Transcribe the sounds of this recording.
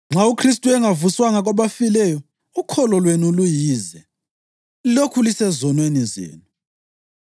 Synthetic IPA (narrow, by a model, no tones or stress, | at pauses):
ŋ͡ǁʱaukʰris̬tʼuɛŋavuswaŋaɣ̬ɔβafilɛjɔ | ukʰɔlɔlwenulujiːzɛ | lokʰulisɛzɔnwenizḛːnu